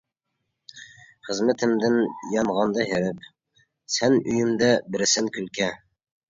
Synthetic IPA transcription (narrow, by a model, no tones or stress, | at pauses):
χəzmɘt̪ʰɪmd̪ɪnjɑnʁɑnd̪ɑɦeɾɪp | sɛnyjymd̪ɛbɪɾɪsɪŋkʲʰylkʲɛ